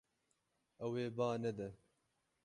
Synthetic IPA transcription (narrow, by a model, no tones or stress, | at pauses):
ɛweːbaːnɛd̪ɛ